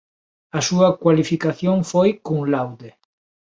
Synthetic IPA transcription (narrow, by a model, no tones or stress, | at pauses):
ɐsuɐkwalifikaθjoŋfojkuŋlawd̪e